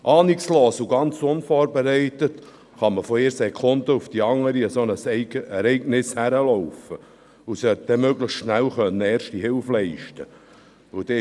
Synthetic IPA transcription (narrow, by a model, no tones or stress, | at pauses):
ʔɑːniksloːsuɡɑnt͡sʊnfoːɾbɛɾɛɪtət | χɑməfɔɪɾsɛkʰʊnd̪əufd̥iɑŋːəɾiəsonəsɛɾɛɪɡnɪshæɾəlɔʊfə | usœt̚d̥̪ɛmøɡləχʃnælχœnːəɛːɾʃtiɦɪlflɛɪʃtə | ud̥ɛ